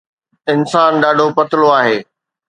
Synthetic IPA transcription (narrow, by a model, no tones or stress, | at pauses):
ɪnsaːnɗaːɖʱopɐt̪ɪloaːɦeː